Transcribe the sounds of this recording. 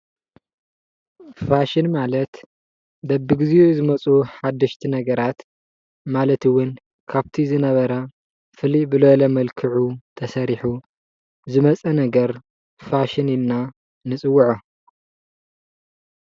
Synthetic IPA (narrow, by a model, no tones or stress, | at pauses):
faʃɪnmalɐt̪ | d̪ɐbːɨɡɨziozɨmɐt͡sʼuħad̪ːɐʃt̪ʰinɐɡɐɾat̪ | malɐt̪ɨwʊn | kʰaβt̪ʰizɨnɐβɐɾɐ | fɨlibɨlolɐmɐlkʰɨʕut̪ʰɐsɐɾiħu | zɨmɐt͡sʼɐnɐɡɐɾ | faʃɪninːa | nɨt͡sʼɨwːuʕu